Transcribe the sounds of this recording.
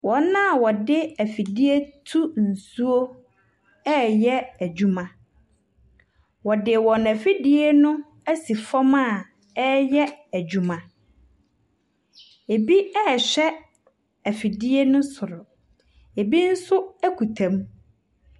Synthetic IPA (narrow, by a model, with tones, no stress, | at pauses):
wɔ̃˨n˦nːã˦˨wɔ˨dɪ˦æ˨fi˨di˦e˦tʰu˦n̩˨su˦o˦ | ɛ˦˨jɛ˦æ˨d͡ʑᶣu˦mã˨ | wɔ˨dɪ˨wɔ̃˨næ˨fi˦dɪ˦e˦nʊ̃˦ | æ˦si˨fɔ˦mã˦˨ | ɛ˦jɛ˦æ˨d͡ʑu˨mã˨ | e˨bi˦ɛ˦˨ɕᶣɛ˦ | æ˨fi˨di˦e˦nʊ̃˦sʊ˨ɾʊ˨ | e˨bi˦n̩˦sʊ˦æ˦ku˨tʰã˨m˦